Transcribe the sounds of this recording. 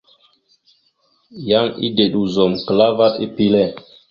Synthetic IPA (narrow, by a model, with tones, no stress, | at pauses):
ja˦ŋḭ˦de˨ɗu˨zo˨mkə˨la˦va˦ti˦pi˦lɛ˦˨